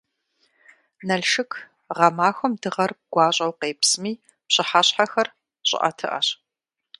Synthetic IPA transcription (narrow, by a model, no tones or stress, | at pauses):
nɐɮʃɨkʰ | ʁɐmaːxʷɐmdɨʁɐrɡ̥ʷɑːɕʼɐwqeːpsmiː | pɕɪħaɕħaxɐr | ɕʼɪ̰ʔɐ̰tʰɨ̰ʔɐ̰ɕ